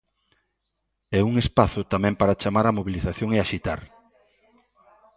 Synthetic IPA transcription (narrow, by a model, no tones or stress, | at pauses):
ɛuŋespaθʊt̪amɛ̃mpaɾat͡ʃamaɾamoβiliθaθjoŋeaʃit̪a̰ɾ